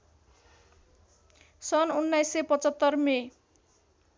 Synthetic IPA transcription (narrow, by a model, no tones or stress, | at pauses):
sʌnunːajsːepʌt͡sʌt̪ːʌrme